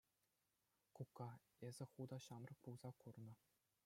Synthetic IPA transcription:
kukːɑ | ezʲɘ̆χud̪ɑɕɑmrɤ̆k̚pulˠz̥ɑkurnɤ̆

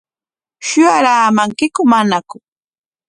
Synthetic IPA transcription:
ʃʊjaɾaːmaŋkɪkʊmanakʊ

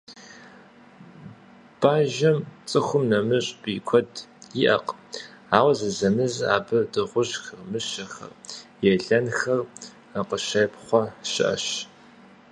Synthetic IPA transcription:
b̥aːʒɐmt͡sʼɨxʷʊmnɐmɨɕʼb̥iːkʷʰɔdiʔɐ̰q | aːwɐzɐzɐmɨza̰ːbɨdɨʁʷʊɕxɐrmɨɕɐxɐ̰rjɛɮɐnxɐr | əqəʃɐpχʷɔʃɪʔɐ̰ɕ

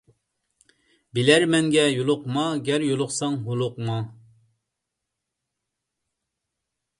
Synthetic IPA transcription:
bilæɾmɛŋɡʲɛjolˠʊqmɑɡʲɛɾjolˠʊqsɑŋɦolˠʊqmɑ

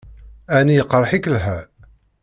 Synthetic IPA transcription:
ænijəqːɾˤħikəlɦæɾ

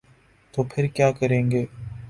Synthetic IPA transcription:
t̪oːpʰɪɾkjaːkɐɾẽːŋɡeː

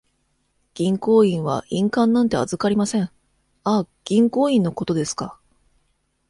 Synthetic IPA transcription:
ɡ̥ʲĩŋko̞ːĩɰ̃βa̰ʔĩŋkãnːãnt̪e̞a̰zɨkaɾʲimasẽ̞ɴ | a | ɡ̥ʲĩŋko̞ːĩnːo̞ko̞t̪o̞d̪e̞sɨ̥ka

